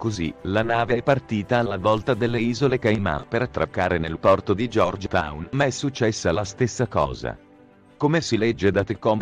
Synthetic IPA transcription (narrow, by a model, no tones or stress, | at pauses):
kozilanaːveɛpːart̪iːt̪aːlːavɔlt̪ad̪elːeiːzolekajma̰ːnpeɾat̪ːɾʔa̰kːaːɾenelpɔrt̪od̪id͡ʒɔrd͡ʒt̪a̰wnmaɛsːut͡ʃːɛsːalast̪esːakɔ̰ːza̰ | komesilɛd͡ʒːed̪at̪ikɔm